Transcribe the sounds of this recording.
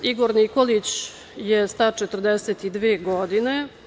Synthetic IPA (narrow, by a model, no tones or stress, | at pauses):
iɡoɾniko̞lit͡ɕ | jest̪at͡ʃet̪ər̩d̪eset̪id̪ʋeːɡod̪ine̞